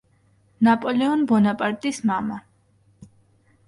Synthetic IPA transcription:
napʼɔlɛɔnbɔnapʼaɾt̪ʼismama

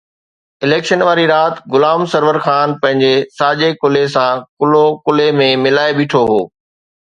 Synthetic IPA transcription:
ɪleːkʃənʋaːɾiɾaːt̪ɡʊlaːmsɐɾʋəɾxaːnpɐ̃ɦɪ̃ɲd͡ʑesaːʄekʊlesãkʊlokʊlemẽmɪlaːeɓɪːʈʰoɦoː

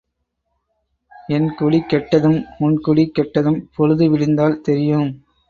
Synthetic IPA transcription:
ɛnkʊɽikːɛʈːɐðɯmːʊnkʊɽikːɛʈːɐðɯmpɔɻɯðɯʋɪɻɪnd̪aːlt̪ɛɾɪjɯm

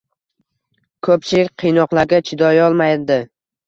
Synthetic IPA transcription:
kʰɵpʃɪɾqʰijnɒqlˠaɾɡʲat͡ʃʰɪd̪ɒjɒlˠmajd̪ɪ

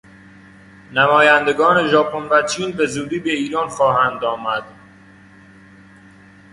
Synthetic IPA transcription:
næmɒːjænd̪e̞ɡɒːne̞ʒɒːpʰonvæt͡ʃʰiːnbe̞zuːd̪iːbe̞iːɾɒːnxɒːɦænd̪ɒːmæd̪̥̚

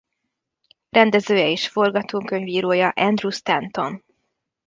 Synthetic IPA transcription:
rɛnd̪ɛzøːjɛeːʃfo̞rɡɒt̪oːŋkø̞ɲviːɾoːjɒʔɛnd̪rust̪ɛnt̪o̞n

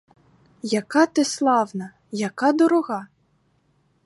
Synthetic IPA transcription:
jɐkɑt̪ɪslˠɑwnɐ | jɐkɑd̪ɔɾɔɣɑ

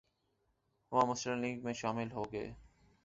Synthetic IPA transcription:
ʋãːmʊsləmliːɡmẽʃaːmɪlɦoːɡḛː

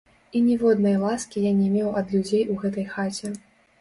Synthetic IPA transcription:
inʲɛvɔd̪nɐjlˠaskʲijanʲɛmʲewɐd̪lʲud͡zʲejʔuɣɛt̪ɐjxat͡sʲɛ

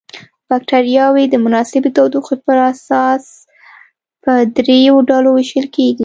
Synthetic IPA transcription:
b̥ak̚ʈaɾijɑwed̪əmʊnɑsɪb̪ət̪ɑwd̪uxpəɾasɑs | pəd̪ɾejoɖɑloweʃəlkeɡi

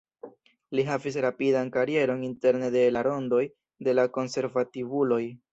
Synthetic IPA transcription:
liɦavis̬ɾapidankaɾie̞ɾo̞ninte̞ɾne̞de̞laɾo̞ndo̞j | de̞lako̞nse̞ɾvativulo̞j

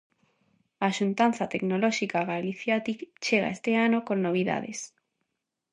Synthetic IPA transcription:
aːʃunt̪anθat̪eknolɔʃikaɣaliθjat̪ikt͡ʃeɣa̰est̪eanokonːoβ̞iða̰ðḛs

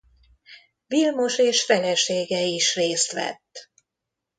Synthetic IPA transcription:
vilmoʃeːʃfɛlɛʃeːɡɛiʃreːst̪ʋɛ̰t̪ː

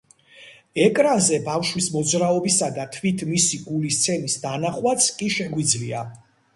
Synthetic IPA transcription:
ɛkʼɾanzɛbafʃwismɔd̪zɾaɔbisad̪at̪ʰwit̪ʰmisiɡulist̪sʰɛnisd̪anaχwat̪sʰkʼiʃɛɡwid̪zlia̰

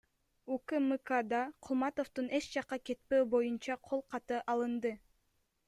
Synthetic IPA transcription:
ukɨmɨkad̪ɑqʰulˠmɑt̪o̞ft̪une̞t͡ʃd͡ʒɑqːɑke̞t̪̚pøːbo̞junt͡ʃɑqʰo̞lˠqʰɑt̪ɯʔɑlˠɯnd̪ɯ

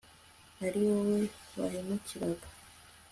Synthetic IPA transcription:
haɾiwowe̞βa̰ɾimuciɾaɡḁ

